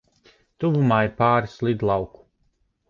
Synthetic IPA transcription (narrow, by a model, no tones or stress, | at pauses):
t̪uvumaːiɾpaːɾislˠid̪lˠɑwku̥